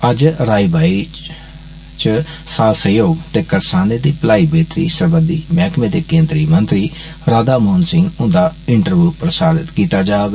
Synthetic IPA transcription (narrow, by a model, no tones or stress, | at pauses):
əd͡ʒɾaːiːbaːi | t͡ʃəsaːsəjoːɡt̪eːkəɾsaːneːd̪iːplaːiːbeːt̪ɾḭːsəɾbənd̪iːmaːkmẽːd̪eːkẽːnd̪ɾiːmənt̪ɾiː | ɾaːd̪aːmoːnsɪ̃ŋɡʊ̃nd̪aːɪɳʈəɾʋjuːpɾəsaːd̪ɪt̪kiːt̪aːd͡ʒaːɡ